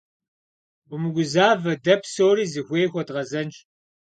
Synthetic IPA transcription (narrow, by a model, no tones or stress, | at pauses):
bɨmɨɡʷʊzaːvɐdɐpsoːriːzɨxʷeːxʷɔdʁɐzɐnt͡ʃʼ